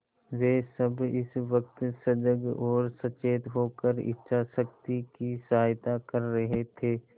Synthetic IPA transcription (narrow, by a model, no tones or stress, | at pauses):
ʋeːsəbɪsʋək̚t̪səd͡ʒəɡɔːɾsɐt͡ʃeːt̪ɦoːkəɾɪ̰tːʃʰasək̚t̪ikisɐɦaːjt̪akəɾːɐɦet̪ʰeː